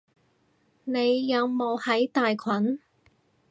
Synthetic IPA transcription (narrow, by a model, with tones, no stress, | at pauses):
ne˨˧jːɐ˨˧wmo˨˧whɐ˨˥jt̪aː˨jkʷʰɐ˨˥n